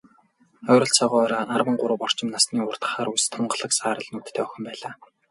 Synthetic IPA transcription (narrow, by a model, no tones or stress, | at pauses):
œːɾə̆ɬt͡sʰɔʁɔːɔɾɔːarwə̆ɴɢʊɾə̆wpɔr̥t͡ɕɪ̆mnasniːʊr̥t̪ə̥̆χaːɾust̪ʰɔɴɢə̆ɮə̆ksaːɾə̆ɮnuːt̪ːʰæːœxʲɪ̆mpæːɮaː